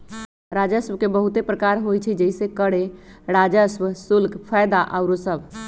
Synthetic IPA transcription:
ɾad͡ʒəsʋkebəɦut̪epɾəkaɾɦojt͡ʃʰid͡ʒəisekəɽeɾad͡ʒəsʋsulkpʰajd̪aʔaʊɾosəb

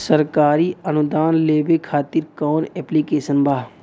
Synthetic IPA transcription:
səɾkaːɾiənʊd̪aːnleːbekʰaːt̪ɪɾkɔːnɛːplikeːsənbaː

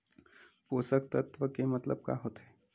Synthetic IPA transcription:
poːsək̚t̪ət̪ʋəkemɐt̪ləb̚ka̰ɦoːt̪ɦɛː

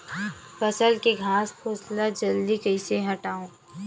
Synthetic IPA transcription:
fɐsəlkeɡʱaːspʰoːslad͡ʒɐld̪ikɐɪseɦɐʈaːõː

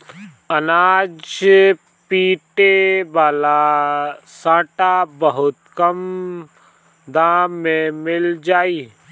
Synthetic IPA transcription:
ənaːd͡ʒ | piːʈeʋaːla | sãːʈabəɦʊt̪kəm | d̪aːmːẽmɪld͡ʒaːiː

